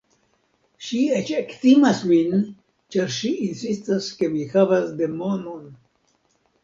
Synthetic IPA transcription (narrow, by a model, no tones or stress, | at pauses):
ʃiet͡ʃektimasmin | t͡ʃaɾʃiʔːnsistaske̞mihavasde̞mo̞non